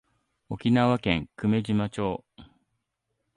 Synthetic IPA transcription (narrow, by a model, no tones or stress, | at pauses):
o̞kʲinaβakẽ̞ŋkɯ̟me̞ʑimat͡ɕo̞ː